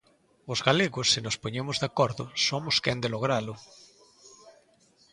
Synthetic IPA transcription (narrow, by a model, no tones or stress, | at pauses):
ozɣaleɣosːenospoɲemozðakoɾðosomoskɛnd̪eloɣ̞ɾalʊ